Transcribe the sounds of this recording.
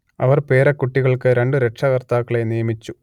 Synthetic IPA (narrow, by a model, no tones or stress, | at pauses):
ɐʋɐrpe̞ːɾɐkːuʈːiɣɐɭkɨɾe̞ɳɖɨɾe̞ʈʂɐɣɐrt̪aːkːɐɭe̞nijɐmit͡ɕːu